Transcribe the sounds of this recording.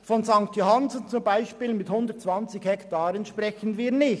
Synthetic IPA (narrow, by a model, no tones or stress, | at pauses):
fɔnzaŋkt̪johanzn̩t͡sʊmbaɪʃpiːlmɪthʊndətt͡sv̥ɑnt͡sɪɡhɛktaːɾənʃprɛçənviːnɪç